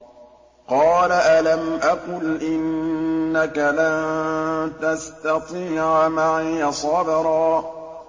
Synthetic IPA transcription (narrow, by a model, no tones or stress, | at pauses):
qɑːlaʔalamʔaqʊlʔɪnːakalan | t̪ast̪ɑt̪ˤiːʕamaʕjɑsˤɑbɪɾˤɑː